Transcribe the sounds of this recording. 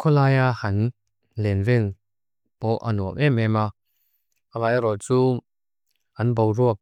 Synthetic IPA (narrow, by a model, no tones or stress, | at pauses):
kʰɔlaːjahɐn | lɛnvɛn | pɔʔa̰nuəʔɛmɛma | ʔalajɾɔt͡suː | ʔɐnbowruək̚